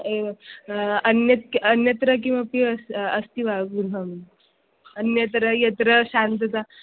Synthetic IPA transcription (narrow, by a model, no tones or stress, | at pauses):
e | ənjət̪ənjət̪ɾək̬ĩw̃ʋapiəsəst̪iʋaɡuɾɦəm | ənjət̪ɾəjɐt̪ɾəɕant̪ət͡sa